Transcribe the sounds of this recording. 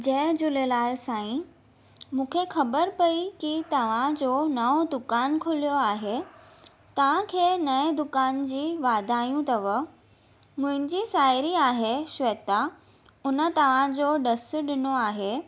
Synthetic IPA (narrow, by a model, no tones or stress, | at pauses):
d͡ʑɐ̃ɪd͡ʑʊlelaːɪlsãːĩ | mũːkʰexɐbəɾpɐikit̪ɐʋ̤ãd͡ʑoːnɐod̪ʊkaːnkʰʊlijoaːɦe | t̪ɐʋ̤ãkʰeːnɐd̪ʊkaːnd͡ʑiːʋaːd̪ʱaːjũt̪ɐʋə | mʊ̃ɦɪ̃n̆d͡ʑiːsaːɪɾiaːɦeʃʋɐːt̪a | ʊnə̆t̪ɐʋ̤ãd͡ʑoːɖɐs̆ɗɪnoaːɦeː